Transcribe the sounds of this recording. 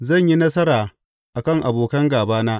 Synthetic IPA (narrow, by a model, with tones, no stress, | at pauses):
zɐ˦˨ɲji˦nɐ˦sɐ˦ɾaː˨ | ʔa˨kɐ˦ŋʔa˨boː˨kɐ˦ŋɡaː˨baː˦naː˦